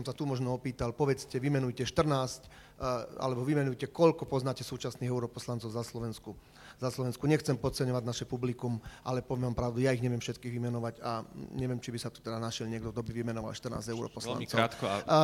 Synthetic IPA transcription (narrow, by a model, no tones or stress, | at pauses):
ɔmsat̪umɔʒnɔɔpiːt̪alpɔʋɛt͡scɛʋimɛnujcɛʃt̪r̩naːsc | a̰lɛbɔʋimɛnujcɛkɔʎkɔpɔznaːcɛsuːt͡ʃasniːɦɛʊɾɔpɔslant͡sɔʊzaslɔʋɛnsku | zaslɔʋɛnskuɲɛxt͡sɛmpɔt̪t͡sɛɲɔʋaɟnaʃɛpublikumʔalɛpɔʋjɛʋampɾaʊd̪ujaiɣɲɛʋɪjɛmfʃɛt̪kiːɣʋimɛnɔʋaɟaɲɛʋɪjɛmt͡ʃibisat̪u̥t̪ɛd̪anaʃɪɛlɲɪɛɡ̚d̪ɔd̪ɔbiʋimɛnɔʋa̰lʃt̪rna̰ːzɟɛʊɾɔ̰pɔsla̰nt͡sɔt̪k